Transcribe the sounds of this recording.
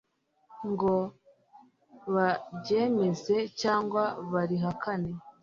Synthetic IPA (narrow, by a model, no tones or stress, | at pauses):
ŋɡo̞ | βaɟe̞me̞ze̞caːŋɡwaβaɾiɦakʰane̞